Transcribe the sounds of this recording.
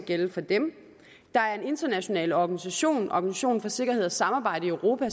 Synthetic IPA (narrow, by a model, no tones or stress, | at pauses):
ɡ̥eləfɒ̽d̥em | d̥ɑ̈æɐe̝ne̝nd̥ɐnæɕo̝nɛ̰ːləɒɡ̥ænisæɕo̝̰ːnɒ̰ɡ̥ænisæɕo̝̰ːnfɒ̽se̝ɡ̥ɐɦe̝ð̞̰ˠɐsːɑ̈mɑ̈ːb̥ɑ̈ɪ̰ɾəiøʊʁo̝ːpʰæ